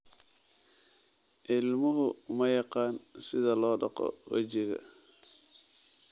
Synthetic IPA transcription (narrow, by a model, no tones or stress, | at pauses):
ʔɪlmʊɦʊmɐjɑqɑːnsɪðɐlɔːɖɑ̰qɔ̰wɐ̰t͡ʃɪɣɐ̰